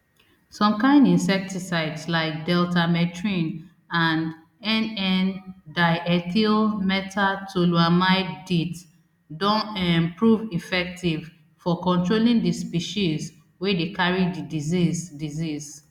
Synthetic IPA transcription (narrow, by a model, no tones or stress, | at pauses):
sɔ̃mkãɪ̃ndĩnsɛk̚tisaɪdslaɪk̚dɛltʰamɛtʰɹĩn | ãnd | ɛ̃nɛndaɪʔɛtʰilmɛtʰatʰuluamaɪdit | dɔ̃nɛmpɹuvifɛk̚tiv | fɔkɔ̃ntɹolĩndispiʃiz | wɛdekaɹididizizdiziz